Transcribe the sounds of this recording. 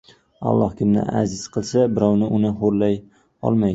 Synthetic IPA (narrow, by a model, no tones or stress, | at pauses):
a̰lˠːɒ̰hkʲʰɪmnɪ̰ʔa̰zɪz̥qʰɨlˠsabɪɾɒwnɪʔʊnɪɦoɾlaj | ɒ̰lˠma